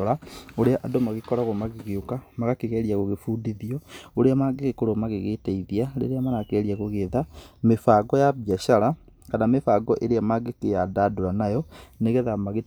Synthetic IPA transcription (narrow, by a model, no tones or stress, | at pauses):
ɾaoɾeaʔadomaɣekɔɾaɣomaɣeɣeokamaɣakeɣɛɾiaɣoɣefuːdiðiɔoɾeamaɡeɣekoɾomaɣeɣetɛiðiaɾḛɾeamanakɛɾiaɣoɣeðamefaːɡɔjaβjaʃaɾa | kanamefaːɡɔʔeɾeamaɡekejadaːdoɾanajɔneɣɛðamaɣe